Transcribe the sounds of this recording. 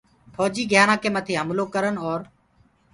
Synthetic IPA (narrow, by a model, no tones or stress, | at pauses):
pʰɔːd͡ʒiːɡjaːnãːkeːmət̪ʰiːɦəmloːkəɾənɔːɾ